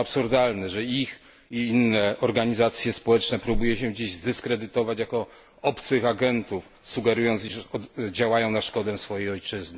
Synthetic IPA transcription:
apsuɾd̪alnɛʐɛix | iinːɛɔɾɡaɲizat̪sʲjɛspɔwɛt͡ʂnɛpɾubujɛɕɛd͡ʑiʑzd̪ɘskɾɛd̪ɘt̪ɔvat͡ɕjakɔ | ɔpt̪sɘxaɡɛnt̪uf | suɡɛɾujɔnt̪siʂɔd͡ʑawajɔ̃w̃naʂkɔd̪ɛsfɔjejɔjt͡ʂɘzn

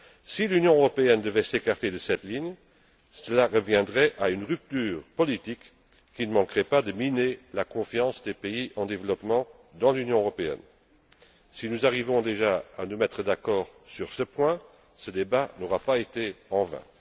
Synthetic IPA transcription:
silynjɔ̃øʁɔpeɛnd̪əvɛsekaʁt̪ed̪əsɛt̪liɲ | səlaʁəvjɛ̃d̪ʁɛʔaynʁyp̚t̪yːʁpɔlit̪ikː | inəmɑ̃kʁɛpad̪əminelakɔ̃fjɑ̃sd̪epeiɑ̃d̪evlɔpmɑ̃ | d̪ɑ̃lynjɔ̃øʁɔpeɛ̰n | sinuzaʁivɔ̃d̪eʒaanumɛt̪χəd̪akɔːʁsyʁsəpwɛ̃ | səd̪ebanoʁapaet̪eɑ̃vɛ̰̃

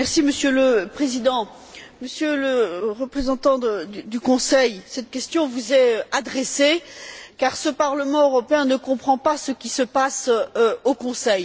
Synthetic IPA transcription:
mɛʁsiməsjøləpχezid̪ɑ̃ | məsjøləʁəpχezɑ̃t̪ɑ̃d̪əd̪d̪ykɔ̃sɛjsɛt̪kʲɛst̪jɔ̃vuzɛad̪ʁesekaʁsəpaʁləmɑ̃øʁɔpeɛ̃nəkɔ̃pχɑ̃pasəkʲisəpasokɔ̃sɛj

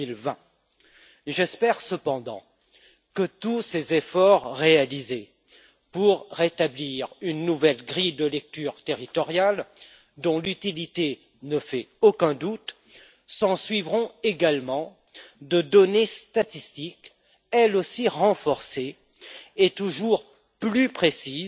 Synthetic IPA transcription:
lvɛ̃ | ʒɛspɛʁsəpɑ̃d̪ɑ̰̃ | kət̪usezefɔʁːealize | puʁːet̪abliʁynːuvɛlɡʁid̪əlɛk̚t̪yːʁt̪eʁit̪ɔʁjal | d̪ɔ̃lyt̪ilit̪e | nəfɛokɛ̃d̪ut̪ | sɑ̃sɥivʁɔ̃eɡalmɑ̃ | d̪əd̪ɔnest̪at̪ist̪ik | ɛlosiʁɑ̃fɔʁse | et̪uʒuʁ | plypχesiz

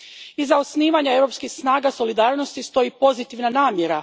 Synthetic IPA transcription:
izːaosniːʋaɲae̞ʋɾo̞pskixsnaːɡaso̞lid̪aːɾnost̪ist̪o̞jipo̞zit̪iʋnanaːmjeɾa

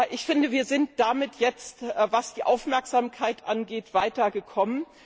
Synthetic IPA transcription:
ʔɪçfɪndəviːɐzɪntd̥amɪtʰjɛt͡stːvasd̥iːʔaʊfmɛɐkz̥aːmkʰaɪtʔanɡeːtv̥aɪtɐɡəkʰɔmən

